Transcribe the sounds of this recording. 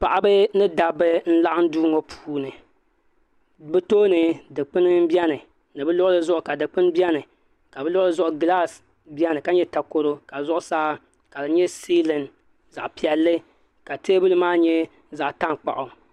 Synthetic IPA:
pa˨ʔa˦bɨ˦nɨ˦da˨bɨ˦n̩˦la˦ʔa˦n̩˦duː˦ŋo˨pʰu̥ː˦nɨ˨ | bɨ˦toː˦nɨ˨dɨ˨k͡pɨ˦nɨ˦m˦bjɛ˦nɨ˨ | nɨ˨bɨ˦lʊ˦ʔlɨ˦zʊ˦ʔʊ˨ka˨dɨ˨k͡pɨ˦n˦bi˦ɛ˦nɨ˨ | ka˨bɨ˦lʊ˦ʔlɨ˦zʊ˦ʔʊ˨ɡla˦s | bi˦ɛ˦nɨ˨ka˦ɲɛ˦ta˨ko˨ɾo˦ka˨zʊ˦ʔʊ˦saː˦ | ka˨bɨ˨ɲɛ˦si˦lɨ˨n | za̰˨ʔpi˨ɛ˨lːɨ˦ | ka˨teː˦bɨ˦lɨ˦maː˦ɲɛ˦ | za˨ʔta˦ŋk͡pa̰˨ʔʊ˨

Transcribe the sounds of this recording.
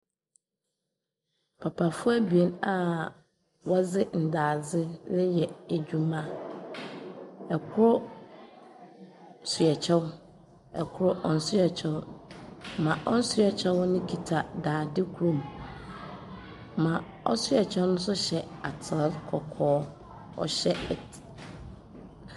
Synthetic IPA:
pʰa˨pʰa˨fʊ˦a˦bi˨e˦na˦˨ | wɔ˦d͡zɪ˦n̩˨daː˨d͡zɪ˦lɪ˦jɛ˨e˨d͡ʑᶣu˦mã˦ | ɛ˨kʰʊ˦ɾʊ˦ | sʊ˨ɛ˨t͡ɕʰɛ˦w | ɛ˨kʰʊ˦ɾʊ˦ʔɔ˨n̩˨sʊ˦ɛ˨t͡ɕʰɛ˦w | mã˨ʔɔ˦n̩˦sʊ˦ɛ˨t͡ɕʰɛ˦wnʊ̃˦kʰi˨tʰa˨daː˨dɪ˦kʰu˨˦ɾũ˨m | mã˨ | ɔ̰˦sʊ˦ɛ˨t͡ɕʰɛ˦wnʊ̃˦sʊ˦ɕɛ˨a˨tʰɪ˨˦kʰɔ˨kʰɔː˦ | ɔ̰˨ɕɛ˦ɛ˨tʰi̥˨

